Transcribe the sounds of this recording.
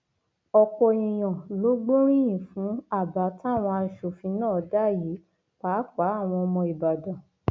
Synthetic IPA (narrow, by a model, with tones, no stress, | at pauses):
ɔ˧kɔ˧ĩ˨j̃ã˨lo˨˦ɡ͡bo˦ɾ̃ĩ˦j̃ĩ˨fũ˨˦a˦˨ba˨˦ta˦˨w̃ɔ̃˧a˧˨ʃo˨fĩ˧nãː˦˨˦da˦˨ji˨˦ | k͡pa˨˦k͡pa˨˦a˦˨w̃ɔ̃˧ɔ˧mɔ̃˧i˨ba˨dã˨